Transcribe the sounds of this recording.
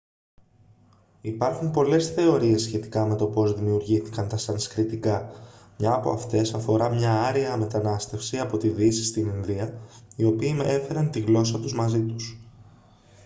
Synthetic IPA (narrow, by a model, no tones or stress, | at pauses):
ipɐɾxumpo̞le̞sθe̞o̞ɾie̞sːçe̞t̪i̥kɐme̞t̪o̞po̞zðimiuɾʝiθi̥kɐnt̪ɐsɐniskɾit̪ikɐmɲɐːpo̞̰ɐft̪e̞sɐfo̞ɾɐmɲɐɐɾiɐme̞t̪ɐnɐst̪e̞fsiɐpo̞t̪iðisi̥st̪ininðiɐio̞piːme̞fe̞ɾɐnt̪iɣlo̞sɐt̪uzmɐzit̪u̥s